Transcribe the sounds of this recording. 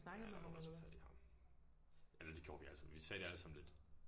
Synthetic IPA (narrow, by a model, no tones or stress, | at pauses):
snɑ̈ɡ̥ð̩ˠmmɒsfæd̥ihɑ̈m | ælɐd̥eɡ̥ʰjo̝̰̥ːʋiæl̰sɑmʋisɛːɾ̥e̝æləsɑ̈mn̩le̝d̥